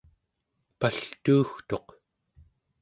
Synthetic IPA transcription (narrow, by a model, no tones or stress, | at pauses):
paɬt̪uːxt̪o̞q